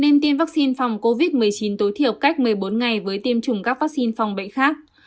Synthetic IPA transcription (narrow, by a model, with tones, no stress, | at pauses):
ne˧nt̪i˧əmvaː˦˥k̚si˧nfa˨˩wŋ͡mko˧vi˦˥t̚mɨ˨˩əjt͡ɕi˨˦nt̪o˨˦jt̪ʰi˧˩əwka˦˥jk̟̚mɨ˨˩əjɓo˨˦nŋa˨˩jvəː˨˦jt̪i˧əmt͡ɕʊ˨˧˩ŋ͡mkaː˦˥k̚vaː˦˥k̚si˧nfa˨˩wŋ͡mɓə̰˧˨jxaː˦˥k̚